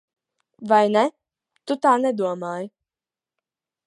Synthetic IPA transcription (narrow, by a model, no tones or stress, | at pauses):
vajnɛ | t̪ut̪aːnɛd̪uɔmaːj